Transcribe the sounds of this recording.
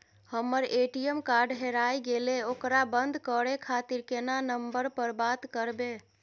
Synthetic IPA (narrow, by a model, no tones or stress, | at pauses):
həmːəɾeʈijemkaɾɖɦeɾajɡeleokɾabənd̪ʱkəɽekʰat̪iɾkenanəmbəɾpəɾbat̪kəɾbe